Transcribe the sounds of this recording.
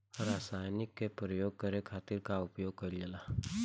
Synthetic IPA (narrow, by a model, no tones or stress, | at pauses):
ɾaːsaːjnɪkːepɾəjoːɡ̚kəɾekʰaːt̪ɪɾkaʊpjoːɡ̚kəɾd͡ʒəla